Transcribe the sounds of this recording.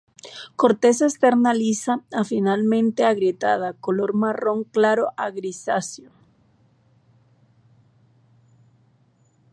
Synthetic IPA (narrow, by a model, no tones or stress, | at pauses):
ko̞ɾt̪e̞s̬est̪e̞ɾnalisaafinalmẽ̞nt̪e̞aɣɾjet̪að̞ako̞lo̞ɾmaro̞ŋklaɾoʔaɣɾisasjo